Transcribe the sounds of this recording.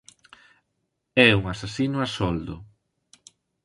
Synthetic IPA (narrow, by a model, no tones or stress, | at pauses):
ɛuŋasasinʊasɔld̪ʊ̰